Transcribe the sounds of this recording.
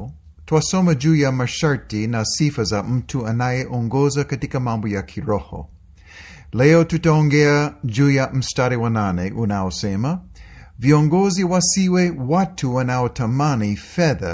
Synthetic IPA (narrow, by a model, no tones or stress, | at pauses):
tʰwasɔmɐd͡ʒujamɐʃaɹtinɐsifɐzam̩tʰuɐnajeʔɔŋɡɔzɐkɐtikɐmãmbojakʰiɹɔhɔ̰ | lɛotutɐɔŋɡɛɐd͡ʒujam̩staɾiwɐnaneʔunaosɛmɐ | viɔ̃ŋɡɔziwasiwewatʰuwɐnaotʰɐmanifɛðɐ̰